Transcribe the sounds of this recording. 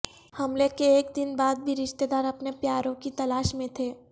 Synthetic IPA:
hɐmlekeːk̚d̪ɪnbaːd̪̚bʱiɾɪʃt̪ed̪aːɾɐpnepjaːɾõkit̪ɐlaːʃmẽt̪ʰeː

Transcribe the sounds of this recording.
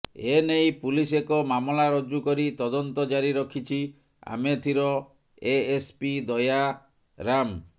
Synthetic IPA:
enejpulisekɔmamlaɾɔd͡ʒukɔɾit̪ɔd̪ɔnt̪ɔd͡ʒaɾiɾɔkʰit͡ʃʰi | a̰met̪ʰiɾɔ | eespid̪ɔja | ɾam

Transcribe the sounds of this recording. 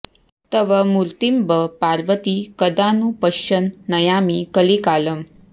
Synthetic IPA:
t̪əʋəmuɾt̪imbəpaɾʋət̪ikəd̪anupəɕənːəjamikəlikaləm

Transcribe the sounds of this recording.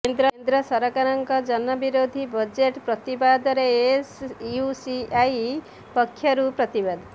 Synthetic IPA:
kend̪ɾɔnd̪ɾɔsɔɾɔkaɾɔŋkɔd͡ʒɔnɔbiɾod̪ʱibɔd͡ʒeʈpɾɔt̪ibad̪ɔɾeesusiaj | pɔkʰːjɔɾupɾɔt̪ibad̪

